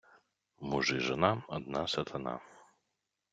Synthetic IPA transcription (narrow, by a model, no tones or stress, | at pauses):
muʐɨʐɛnamɐd̪̚nasɐt̪ʰɐna̰